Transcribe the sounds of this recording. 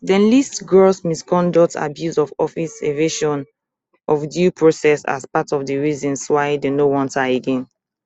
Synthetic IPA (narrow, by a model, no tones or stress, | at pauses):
dɛ̃nlistɡɹɔsmiskɔ̃ndɔtʰa̰bjuzɔvɔfiseveʃɔ̃n | ʔɔfdjupʰɹosɛsa̰spatɔvdəɹizɔ̃nswaɪdenowɔ̃ntaeɡɛ̃n